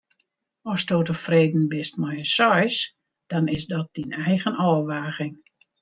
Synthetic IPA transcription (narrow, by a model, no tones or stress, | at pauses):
ɔstoːtəfreːdn̩bɪst̚mɔjəsɔjs | d̥ɔnɪsdɔt̚d̥inɛjɣənɔːʋaːɣɪŋ